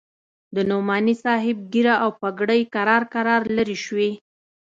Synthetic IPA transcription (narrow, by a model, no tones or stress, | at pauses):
d̪ənomɑnisɑɦɪb̚ɡiɾaʔawpaɡɽəjkaɾɑɾkaɾɑɾləɾiʃwi